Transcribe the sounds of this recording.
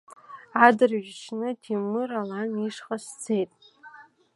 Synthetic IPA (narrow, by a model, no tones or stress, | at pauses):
adɨrʒɪt͡ʃʰnɨtʰimɨralaniʂχast͡sʰe̞jtʼ